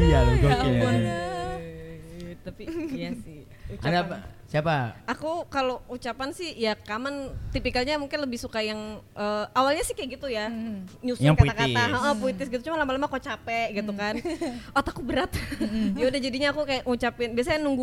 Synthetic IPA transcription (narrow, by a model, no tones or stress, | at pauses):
ja | t̪apijasɪ | adasiapaakukalout͡ʃapansɪhjakamant̪ipikalɲamuŋkɪnləbɪhsukajaŋʔəawalɲasɪhkajaɡit̪ujaɲusapkat̪ak̪aɦaɔpoit̪ɪsɡit̪ut͡ʃumanlamalamakot͡ʃapɛʔɡit̪ukanʔɔt̪akubəɾat̪̚jaudahd͡ʒadiɲaːkukajaʔŋut͡ʃapɪnbias̬ajaŋnuŋɡu